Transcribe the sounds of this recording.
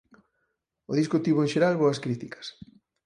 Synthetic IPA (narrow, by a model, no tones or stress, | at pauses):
oðiskot̪iβoeŋʃeɾalβoɐskɾit̪ikɐ̥s